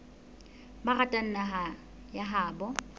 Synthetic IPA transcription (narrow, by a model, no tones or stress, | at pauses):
baɣatʼan̩naɦa | jaɦaːbɔ